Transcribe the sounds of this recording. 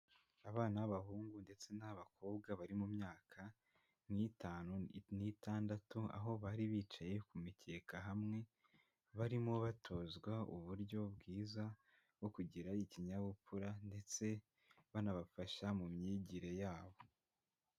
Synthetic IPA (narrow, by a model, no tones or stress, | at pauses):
aβaːnaβaɦuːŋɡunde̞t͡se̞naβakʰo̞ːbɡaβaɾimumɲaːkʰa | ŋhitaːnunitaːndatua̰ɦo̞βaɾiβiːt͡ʃaje̞kumice̞ːkaɦamŋe̞ | βaɾimoβatʰo̞zɡwauβuɾɟo̞bɡiːza | ɡwo̞kuɟiɾaiciɲaβupuɾande̞t͡se̞ | βanaβafaʃamumɲiːɟiɾe̞jaːβo̞